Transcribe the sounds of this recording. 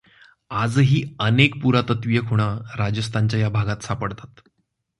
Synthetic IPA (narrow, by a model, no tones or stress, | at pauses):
ad͡zɦiːənek̚puɾat̪ət̪ʋijəkʰuɽ̃aɾad͡ʑəst̪ʰaɲt͡ɕajabʱaɡat̪sapəɽt̪at̪